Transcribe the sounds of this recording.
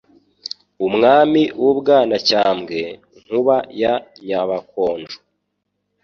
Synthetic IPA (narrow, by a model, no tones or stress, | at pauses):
umŋaːmiwubɡaːnacaːmɡe̞ | ŋ̥huβajaɲaβako̞ːnd͡ʒu